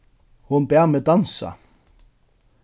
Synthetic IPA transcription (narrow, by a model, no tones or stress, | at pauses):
hʊnbæːʁmeːd̪ɑnsa̰